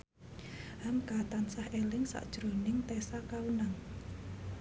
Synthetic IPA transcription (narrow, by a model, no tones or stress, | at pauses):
hamkat̪ansahelɪŋsa̰ʔd̥ʒ̥ɾo̤nɪŋt̪ɛsakaunaŋ